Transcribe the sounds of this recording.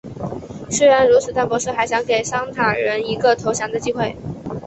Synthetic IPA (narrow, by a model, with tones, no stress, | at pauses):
swe˥ɪɻa˧˥nɻu˧˥t͡s̩ʰ˨˩t̪a˥˩npwɔ˧˥ʂ̩˥˩xa˧˥ɪɕjɑ˧˥ŋke˨˩ɪʂɑ˥ŋt̪ʰa˨˩ɻə˧˥ni˧˥ɡə˧t̪ʰo˧˥ʊɕjɑ˧˥ŋd̪ə˧t͡ɕi˥˧xwe˥˩ɪ